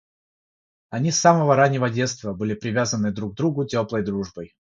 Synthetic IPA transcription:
ɐnʲisːaməvəɾanʲːɪvədʲe̞t̪st̪vəbɨlʲɪpɾʲɪvʲazənːɨd̪ɾuɡ̚d̪ɾuɡʊtʲoplˠəjd̪ɾuʐbəj

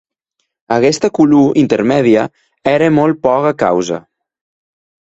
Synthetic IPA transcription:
əɣɛst̪əkuluʔint̪eɾmɛðiə | ɛɾəmol̚ˠpɔɣəkawzə̰

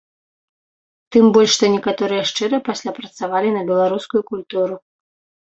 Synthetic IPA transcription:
t̪ɨmbɔlʲʃʂt̪ɔnʲɛkat̪ɔɾɨjɛʂt͡ʂɨɾɨpasʲlʲapɾɐt̪savalʲinɐbʲɛlˠaɾuskujukulʲt̪uɾu

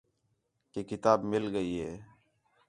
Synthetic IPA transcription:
keːkɪt̪aːbmɪlɡəiːɦeː

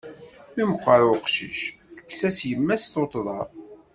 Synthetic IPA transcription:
iməqːəɾʊqʃḭʃ | θə̥kːsæsjəmːæsθot̪ˤðˤɑɾˤ

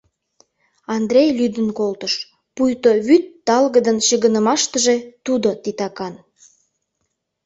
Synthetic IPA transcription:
ɑnd̪ɾʲejlyd̪ənkolt̪əʃ | pujt̪oβyt̪ːɑlɣəd̪ənɕəɣənəmɑʃt̪əʒet̪ud̪ot̪it̪ɑkɑn

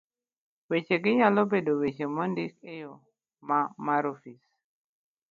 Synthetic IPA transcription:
wet͡ʃeɡɪɲalobedowet͡ʃemɔndikejo | mamaɾofis

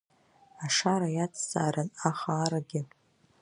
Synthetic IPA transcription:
aʂaɾajat͡sʰzʼaːɾanaχaːɾaɡʲɪ

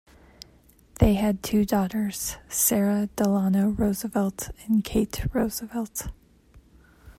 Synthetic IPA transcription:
ðeɪɨd̚tʰʉdɔɾə˞z̥sɛɹɨd̥əlɑnoʊɹoʊzəvɛlˠtɨ̃nkʰeɪtɹoʊzəvɛlˠt

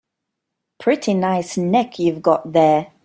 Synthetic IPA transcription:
pʰɹ̥ɪtʰinaɪsnɛkʰjʉvɡɒʔðə

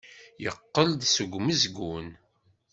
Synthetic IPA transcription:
jəqːəld̪səɡʷməzɡun

